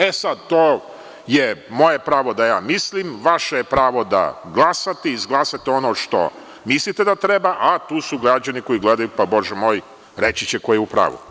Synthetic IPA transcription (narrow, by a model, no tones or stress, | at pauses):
esad̪̚t̪oː | jemo̞je̞pɾaːʋo̞d̪ajaːmislimʋaʃejepɾaːʋo̞d̪a̰ɡlˠasat̪eizɡlˠasat̪eo̞noːʃt̪o̞̰ | mislit̪ed̪at̪ɾebaʔat̪uːsuɡɾad͡ʑaniko̞jiɡled̪ajupabo̞ʒɛmo̞ːj | ɾet͡ɕit͡ɕeko̞jeupɾa̰ːʋṵ